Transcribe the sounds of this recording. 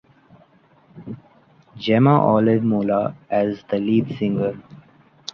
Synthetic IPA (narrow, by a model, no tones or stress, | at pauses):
d͡ʒɛmaʔɔːlɪʋmoːlaɛzd̪əliːdsɪ̃ŋɡəɾ